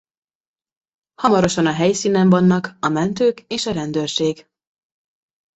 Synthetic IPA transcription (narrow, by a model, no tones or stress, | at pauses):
hɒmɒɾo̞ʃɒnɒɦɛjsiːnɛɱvɒnːɒkɒmɛnt̪øːkeːʃɒɾɛnd̪øːrʃeːɡ